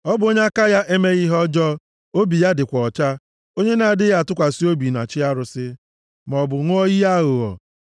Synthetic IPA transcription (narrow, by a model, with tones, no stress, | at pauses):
ɔ˦bʊ˨o˦ɲe˦a˦ka˦ja˦ʔe˦me˦ɣi˦ɦɔ˦d͡ʒɔ˦ | o˦bi˨ja˦dɪ˨kʷɔ˨t͡ʃa˦ | o˦ɲe˦na˨a˨dɪ˦ja˦˨tʊ˦kʷa˨si˦o˦bi˨na̰˨t͡ʃɪ˦a˦ɾʊ˨sɪ˦ | m˨ɔ˨bʊ˨ŋʷʊ˦ɔ˦ɣi˦a˦ɣʊ˨ɔ̰˨